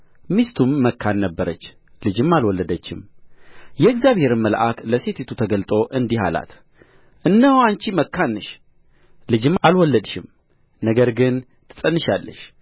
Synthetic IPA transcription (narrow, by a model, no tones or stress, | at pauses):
mist̪ʰumːəkʰːanːəbːəɾət͡ʃː | lɨd͡ʒɪmːalwɔlːəd̪ət͡ʃːɪm | jɛɨɡzjaβhe̞ɾɨmːəlʔa̰kləset̪ʰet̪ʰut̪ʰəɡəlt̪ʼo̞ʔɨnd̪iɦa̰la̰t̪ | ʔɨnːəhant͡ʃiməkːanːɨʃ | lɨd͡ʒɪmːalwɔlːəd̪ʃɪm | nəɡəɾɡɨn | t̪ʰɨ̥sʼənːɨʃalːə̰ʃ